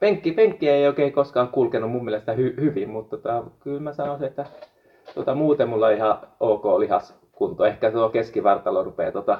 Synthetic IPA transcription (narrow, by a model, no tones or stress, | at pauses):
peŋkːipeŋkːiæeioikeikoskɑːkkulkenummummieˑlest̪æhyhyʋimmut̪t̪ot̪ɑkylmæsɑnosiet̪ːæ | t̪uot̪ɑmuːt̪emmulːɑihɑoːkoːlihɑ̰s | kunt̪oehkæt̪uokeskiʋɑrt̪ɑlorupḛːt̪ot̪ɑ